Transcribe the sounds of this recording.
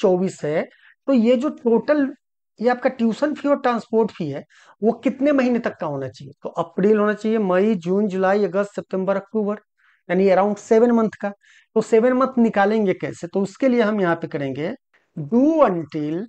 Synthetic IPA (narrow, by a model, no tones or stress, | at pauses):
t͡ʃɔːbiːsɦɛ | t̪oːjed͡ʒoːʈoːʈəl | jeaːp̚kaʈjuːsənpʰiɔːɾʈɾãːnspoːɾʈpʰiɦɛ | ʋokɪt̪nemɐɦiːnet̪ɐkːaɦoːnat͡ʃaːɦiet̪oʔɐpɾiːlɦoːnat͡ʃaːɦiemɐid͡ʒuːnd͡ʒʊlaːiɐɡəst̪sep̚ʈẽmbəɾɐk̚ʈuːbəɾ | jaːniɐɾaːʊ̃ɳɖseʋənmɐ̃nt̪ʰka | t̪oseːʋənmə̃nt̪ʰnɪkaːlẽːŋɡekɛ̰ːset̪oʊskelieɦɐmjɐɦãpekɐɾẽːŋɡeː | ɖuːəɳʈiːl